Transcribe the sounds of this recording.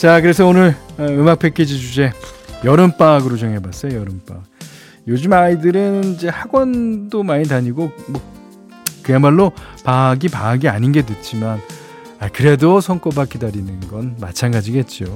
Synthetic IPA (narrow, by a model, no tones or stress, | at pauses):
t͡ɕakɯɾe̞sʰʌonɯɾɯmak̚pʰe̞k͈ʰed͡ʑid͡ʑud͡ʑe̞jʌɾɯmp͈aɡɯɾot͡ɕʌŋɦe̞bas͈ʌjojʌɾɯmp͈ak | jod͡ʑɯmaidɯɾɯnid͡ʑe̞haɡwʌndomaɲidaɲiɡomʌ | kɯjanmaɭːopaɡipaɡiaɲinɡe̞tɯt̚t͡ɕ͈iman | akɯɾe̞dosʰʌŋk͈obak͈idaɾinɯnɡʌnmat͡ɕʰanɡad͡ʑiɡe̞t̚t͡ɕ͈io